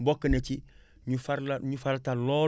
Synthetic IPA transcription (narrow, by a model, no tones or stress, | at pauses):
bokːənet͡ʃi | ɲufaɾaɲufaɾataloː